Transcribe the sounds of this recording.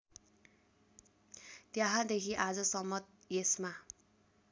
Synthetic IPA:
t̪jaɦãd̪ekʰiʔad͡zʌsʌmʌt̪̚ | jesma

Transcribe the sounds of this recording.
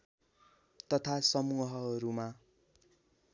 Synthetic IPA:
t̪ʌt̪ʰasʌmuɦʌːɾuma

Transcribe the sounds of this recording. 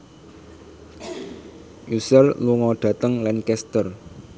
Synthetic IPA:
ʔusərluŋɔɖ̪̥ä̤t̪əŋlankɛst̪ər

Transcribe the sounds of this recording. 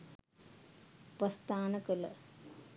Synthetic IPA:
pɐst̪aːnɐkɐl

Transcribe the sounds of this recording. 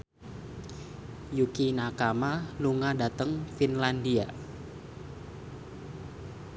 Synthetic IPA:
jukinakamaluŋadat̪əŋfinlandia

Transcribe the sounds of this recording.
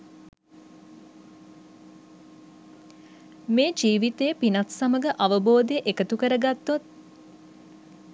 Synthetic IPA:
meːd͡ʒiːʋit̪ejːpinat̪saməɡəʔaʋəboːd̪ejəʔekət̪ukəɾəɡat̪ːot̪̚

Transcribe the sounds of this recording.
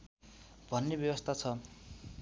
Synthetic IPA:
bʱʌnːebjʌbʌst̪ʰat͡sʰʌ

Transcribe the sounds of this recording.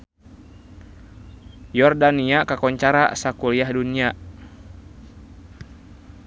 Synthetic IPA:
jɔrdaniakakɔɲt͡ʃaɾa̰sakuliahdunia

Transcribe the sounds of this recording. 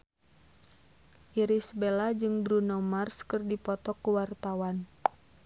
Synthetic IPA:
ʔiɾisbelad͡ʒɨŋbɾunɔmarskɨrdipɔt̪ɔkuwart̪awan

